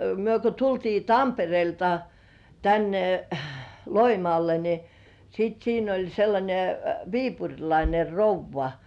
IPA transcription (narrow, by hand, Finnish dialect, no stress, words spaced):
myø ko tultiː tɑmperĭeˑltɑ tænːe loimŏɑˑlːe ni sit siːn olʲ selːɑnʲe ʋiːpurʲlɑine rouʋːɑ